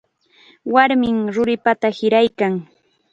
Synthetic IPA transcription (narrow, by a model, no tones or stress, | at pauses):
waɾmɪŋɾʊɾɪpat̪ahɪɾajkaŋ